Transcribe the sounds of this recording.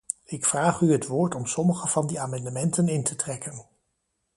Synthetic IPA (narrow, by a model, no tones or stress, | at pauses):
ɪkfraːχyɦətʋʊːɹtɔmsɔməχəv̥ɑndiaːmɑndəmɛntənɪntʰətrɛkən